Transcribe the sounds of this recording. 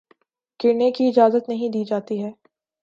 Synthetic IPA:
kɪɾnekiɪd͡ʒaːzət̪nɐɦĩd̪iːd͡ʒaːt̪iɦɛː

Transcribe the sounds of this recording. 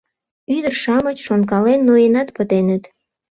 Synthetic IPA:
yd̪ərʃɑmət͡ɕʃonkɑlenːojenɑt̪pət̪enət̪

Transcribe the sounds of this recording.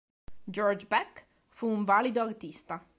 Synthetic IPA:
d͡ʒɔrd͡ʒbɛk | fuːɱvalid̪oart̪ist̪a

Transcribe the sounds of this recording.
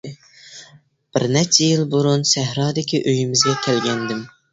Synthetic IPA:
b̥ɪɾnɛt͡ʃʰːɛjilˠbuɾunsæɦɾɑːd̪ɪkʲʰiʔøjimɪzɡʲɛkʲʰɛlɡʲɛnd̪ɪm

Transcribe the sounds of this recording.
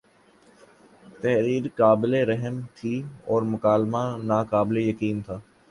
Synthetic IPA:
t̪ɛɦɾiːɾkaːbɪleɾɛɦəmt̪ʰiːɔːɾmʊkaːlmanaːkaːblejɐkiːnt̪ʰaː

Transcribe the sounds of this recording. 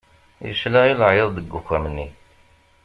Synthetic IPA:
jə̰ʃlæiləʕjeðˤd̪əɡːukʷːæmnːi

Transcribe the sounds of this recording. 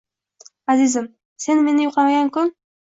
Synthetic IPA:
azizɪm | se̞nme̞nɪjʊqɑmaɡʲaŋkʰʊn

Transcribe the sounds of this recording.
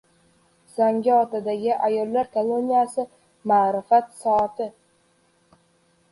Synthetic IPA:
z̥aŋɡʲɪɒt̪ʰad̪aɡʲɪʔajɒlˠːaɾkʰolˠonijasɪ | maːɾɪfat̪sɒat̪ʰɪ

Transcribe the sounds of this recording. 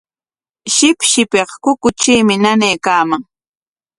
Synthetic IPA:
ʃɪpʃɪpeqkʊkʊt͡ʃiːmɪnanejːkaːmaŋ

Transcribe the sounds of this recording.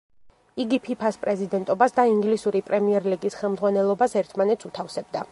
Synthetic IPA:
iɡipʰipʰaspʼɾɛzid̪ɛnt̪ʼɔbasd̪aiŋɡlisuɾipʼɾɛmiɛɾliɡisχɛlˠmd̪zʁwanɛlˠɔbasɛɾt̪ʰmanɛt̪sut̪ʰafsɛb̚d̪a

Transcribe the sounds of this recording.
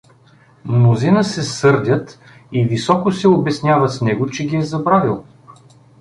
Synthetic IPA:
mnozinəsɛsɤɾd̪ʲət̪ | ivisɔkʊsɛobɛsnʲjavəsnɛɡʊt͡ʃɛɡʲiɛzɐbɾavilˠ

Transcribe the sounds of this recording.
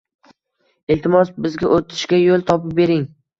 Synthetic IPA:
ɪlt̪ɪmɒsbɪzɡʲaʔot̪ʰɪ̥ʃkʲajolˠt̪ʰɒpɪp̚be̞ɾɪŋ

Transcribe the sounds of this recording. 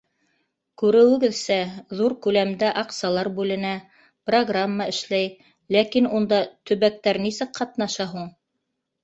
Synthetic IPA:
kʉɾɘ̆wɘ̆ɡɘðsæðuɾkʉlæmd̪æʔɑqsɑlˠɑɾbʉlɘ̆næ | proɡramːaɘ̆ʃlæj | lækinund̪ɑt̪ɵ̆βæk̚t̪æɾnisɘkqːɑt̪nɑʃɑɦuɴ

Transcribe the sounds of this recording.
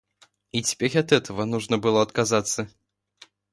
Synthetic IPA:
it͡sʲɛ̥pʲɛɾʲɐt̪ɛt̪ʰɐvɐnuʐnɐbɨlˠɔɐt̪kazat̪sːɐ

